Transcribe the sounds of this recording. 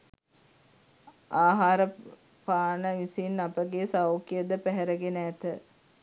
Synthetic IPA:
aːɦaːɾə | paːnəʋisinːapəɡesawkijəd̪əpæɦæɾəɡenəæt̪ə

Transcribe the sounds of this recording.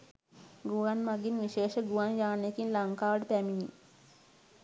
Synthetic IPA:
ɡuʋanmaɡinʋiʃeːʃəɡuʋanjaːnjekinlaŋkaːʋəʈət̪æminḭ

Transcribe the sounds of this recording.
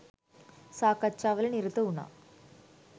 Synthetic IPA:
saːkɐt͡ʃːaːʋɐlɐniɾut̪ɐuna̰

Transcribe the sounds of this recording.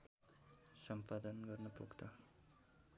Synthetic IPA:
sʌmpad̪ənɡʌɾnʌpo̰ɡt̪a

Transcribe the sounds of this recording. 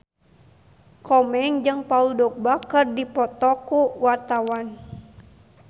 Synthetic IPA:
kɔmɛŋd͡ʒɨŋpauldɔk̚bakərdipɔt̪ɔkuwart̪awan

